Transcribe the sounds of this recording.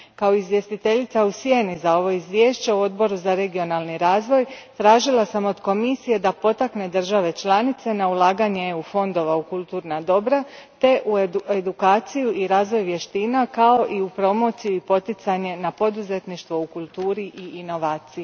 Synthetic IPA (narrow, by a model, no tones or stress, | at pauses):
kao̞izʋje̞st̪it̪e̞ʎit̪sausje̞nizao̞ʋo̞izʋʲje̞ːʃt͡ɕe̞uo̞d̪bo̞ɾuzaɾe̞ɡio̞nalˠniɾaːzʋo̞jt̪ɾaːʒilˠasamo̞d̪ko̞misije̞d̪apo̞t̪akne̞d̪r̩ʒaʋe̞t͡ʃlˠanit̪se̞naulˠaːɡaɲeeufo̞nd̪o̞ʋaukulˠt̪uːɾnad̪o̞bɾa | t̪e̞ʔued̪ukaːt̪sijuʔiɾaːzʋo̞jʋje̞ʃt̪iːnakao̞ʔiupɾo̞mo̞t̪sijuipo̞t̪it̪saɲe̞napo̞d̪uze̞t̪niʃt̪ʋo̞ukulˠt̪uːɾiʔiːno̞ʋaːt̪siju